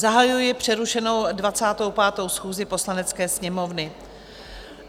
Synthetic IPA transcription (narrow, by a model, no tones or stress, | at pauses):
zaɦajujɪpr̝̥ɛɾuʃɛno̞wdvat͡saːt̪o̞wpaːt̪o̞wsxuːzɪpo̞slanɛt͡skɛːsɲɛmo̞vnɪ